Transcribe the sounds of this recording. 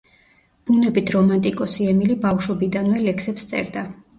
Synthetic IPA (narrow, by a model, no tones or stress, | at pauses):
b̥unɛbit̪ʰɾɔmant̪ʼikʼɔsiɛmilibafʃɔbid̪anvɛlɛksɛpst̪sʼɛ̰ɾd̪a